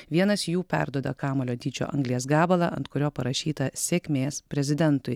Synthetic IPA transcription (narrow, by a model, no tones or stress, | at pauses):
ʋʲiɛnɐsjuːpʲæ̰ɾd̪uɔd̪ɐkɑːmɐːlʲoːt̪ʲiːt͡ʃʲo̰ːʔɐ̰ŋɡlʲijɛs̬ɡɑːbɐlˠɑʔɐ̰nt̪kʊɾʲoːpɐɾɐʃʲiːt̪ɐsʲeːkʲmʲeːspʲɾʲɛzʲɪd̪ʲɛnt̪ʊɪ